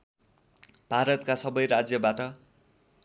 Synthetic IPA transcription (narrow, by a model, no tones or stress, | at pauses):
bʱaɾʌt̪̚kasʌbʌjɾad͡zjʌbaʈʌ